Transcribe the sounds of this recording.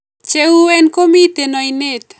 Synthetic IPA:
t͡ʃeuɛnkomit̪enɔinet̪

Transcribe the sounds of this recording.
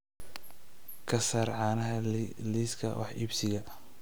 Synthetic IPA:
kʰɐsaːrʕɑːnɐɦɐliːskʰɐ̰wʔɑ̰ħḭbsɪɣɐ

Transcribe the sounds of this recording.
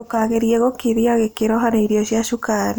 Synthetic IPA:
okaɣeɾjɛɣokeɾiaɣekeɾɔɦaɾeiɾiɔʃiaʃukaɾe

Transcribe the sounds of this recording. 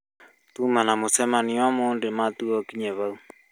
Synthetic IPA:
tumanamosɛmaniamondematuɔkiɲɛβau

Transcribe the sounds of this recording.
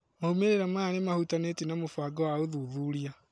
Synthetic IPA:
maumeɾeɾamaːnemahutanetinamofaɡɔwaoðuðuːɾia

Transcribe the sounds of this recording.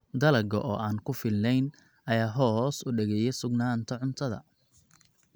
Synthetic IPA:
d̪ɐlɐɡɐʔɔːʔaːnkʰʊfɪlnɛjn | ʔɐjaːɦɔːsʊɖɛɣɛjɛsʊɡnaːnt̪ʰɐʕʊnt̪ʰɐðɐ̰

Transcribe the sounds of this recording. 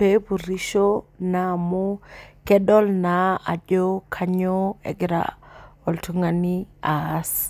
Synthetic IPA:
pepuɾiʃonamukɛdɔlnaad͡ʒokʰaɲoɛ̰ɡɾa̰ɔltuŋanias

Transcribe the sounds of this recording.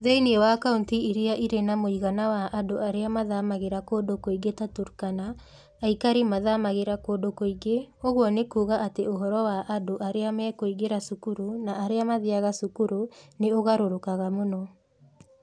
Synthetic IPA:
ðeiniɛwakauntiiɾiaʔiɾenamoiɣanawaʔadoaɾeamaðamaɣeɾakoːdokoiɡetatuɾkanaː | ikaɾimaðamaɣeɾakodokoiɡeoɣwɔnekuːɣaʔateoɦɔɾɔwaʔadoʔaɾeamɛkoiɣeɾasukuɾunaʔːɾeamaðiaɣasukuɾoneoɣaɾoɾokaɣamonɔ

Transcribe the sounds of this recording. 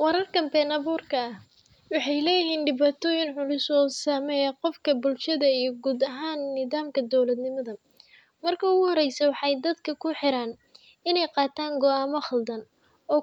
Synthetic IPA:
wɑɾɐrkʰɐmbɛnɐβuːrkʰɐɐh | wɑħɑjlɛːjɪɦiːnɖɪβaːt̪ʰɔːjɪnʕʊlʊsɔːsaːmɛjɐqɔfkʰɐbʊlʃɐðɐijɞɡuːd̪ɐɦaːnːɪðaːmkʰɐd̪ɔwlɐd̪nɪmɐðɐ | mɐrkʰɐʊɣʊhɔɾɛjsɛwɑħɑjd̪ɐd̪kʰɐkʰʊħɪɾaːn | ɪnɛjqɑːt̪ʰaːŋɡɔaːmɔχɐld̪ɐn | ɔː

